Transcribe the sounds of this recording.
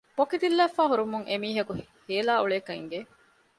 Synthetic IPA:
pokid̪ilːæːfːæːɦuɾumuŋʔemiːɦɐkuheːlaːuɭeːkɐiŋɡe

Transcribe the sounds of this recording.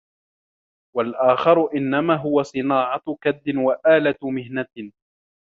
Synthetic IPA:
walʔaːxɑɾˤʊʔɪnːamaːɦʊwasˤɨnaːʕɑkad̪ːɪnwaʔaːlat̪mɪhna

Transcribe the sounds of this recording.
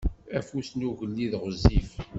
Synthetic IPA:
æfusnuʝəlːiðʁəzːif

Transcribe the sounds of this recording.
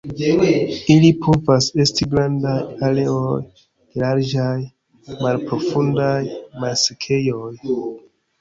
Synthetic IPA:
ilipʰo̞vase̞stiɡɾandajale̞oj | elaɾd͡ʒaj | malpɾo̞fundajmalsekʰe̞joj

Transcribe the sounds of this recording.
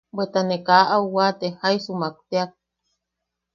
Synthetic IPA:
bwet̪anekaʔauwat̪ehaisumak̚t̪eak̚

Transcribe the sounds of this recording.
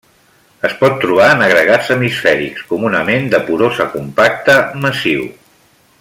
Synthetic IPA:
əspɔt̪ːɾuβ̞aənəɣɾəɣazəmisfɛɾḭkskumunəmend̪əpuðozəkumpak̚t̪əməsiw

